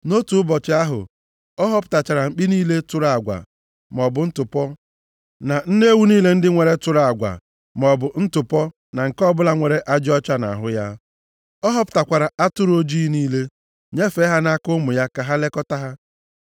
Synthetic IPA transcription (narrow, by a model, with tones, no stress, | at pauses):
no˦tu˨ʊ˦bɔ˨t͡ʃɪ˨a˦ɦʊ̰˨ | ɔ˦ɦɔ˦pʊ̥˦˨ta˨t͡ʃa˨ɾa˨ŋ͡m̩˨k͡pi˦niː˦le˦tʊ˦ɾa˨ɡʷa̰˨ | m˨ɔ˨bʊ˨n̩˦tʊ˨pɔ˦ | na˨n̩˦ne˦wu˦niː˦le˦n̩˦dɪ˦ŋʷe˨ɾe˦tʊ˦ɾa˨ɡʷa̰˨ | mɔ˨bʊ˨n̩˦tʊ˨pɔ˦ | na˨ŋ̩˨kɔ˦bʊ˦la˦ŋʷe˨ɾe˦ʔa˦d͡ʒɪ˦ɔ˦t͡ʃa˦na̰˨ɦʊ˦ja˦ | ɔ˦ɦɔ˦pʊ̥˦ta˨kʷa˨ɾa˨ʔa˦tʊ˦ɾo˦d͡ʒi˦niː˦le˦ | ɲe˦fe˦ɦa˦na˦kʊ˦mʊ˨ja˦ka˨ɦa˦le˦kɔ˦ta˦ɦa˦